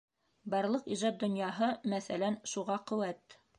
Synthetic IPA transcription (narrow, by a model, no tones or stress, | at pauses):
bɑɾlˠɤqiʒɑt̪̚d̪ŏnjɑɦɤmæθælænʃuʁɑqɵ̆wæt̪